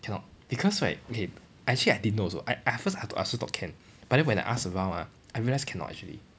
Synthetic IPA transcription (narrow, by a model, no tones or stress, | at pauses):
kʰɛ̃nɔ̰t̚b̥ikʰɔswa̰okʰe | ɛk̚t͡ʃuəliaɪdidənːoso̰ʔa̰ɪʔaɪfəsaʔa̰sotɔ̰kʰɛ̃n | b̥at̚dɛ̃nwɛ̃na̰ɪʔasəɹãwna̰ | ʔajɹiəlaɪskʰɛ̃nɔ̰tɛ̰k̚t͡ʃuəlḭ